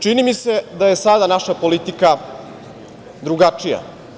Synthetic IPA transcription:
t͡ʂinimise̞d̪aje̞sad̪anaʃapo̞lit̪ika | d̪ɾuɡat͡ʂija̰

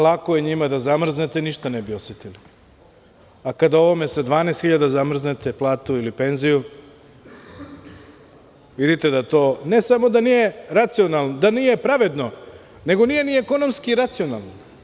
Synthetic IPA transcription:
lˠakojeɲimad̪azamr̩znet̪e̞niʃt̪anebio̞set̪ili | akad̪ao̞ʋo̞me̞sed̪ʋaːnest̪xiʎad̪azamr̩znet̪e̞plˠaːt̪uilipe̞nziju | ʋid̪it̪ed̪at̪o̞ːne̞samo̞d̪anije̞ɾat̪sionalˠnod̪anije̞pɾaʋe̞d̪no̞ | ne̞ɡo̞nije̞nieko̞no̞mskiiɾat̪sio̞nalˠno

